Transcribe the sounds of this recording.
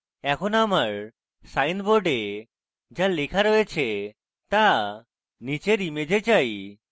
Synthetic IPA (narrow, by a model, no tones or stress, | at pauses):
ɛkʰonamaɾ | sajnboɾɖe | d͡ʑalekʰaɾojet͡ɕʰe | t̪a | nit͡ɕeɾimed͡ʑet͡ɕaj